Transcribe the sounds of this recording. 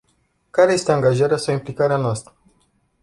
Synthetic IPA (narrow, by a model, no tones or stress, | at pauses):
kaɾeje̞st̪eaŋɡaʒaɾeasawimplikaɾeanoast̪ɾə